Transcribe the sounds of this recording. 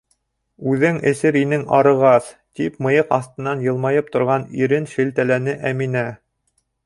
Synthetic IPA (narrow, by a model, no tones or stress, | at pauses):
ʉðɘŋɘ̆sɘɾinɘŋɑɾɤ̆ʁɑθt̪ipmɤ̆jɤqɑ̰θt̪ɤ̆nːɑnjɤ̆lˠmɑjɤp̚t̪ŏɾʁɑniɾɘnʃɘ̆lt̪ælænɘʔæminæ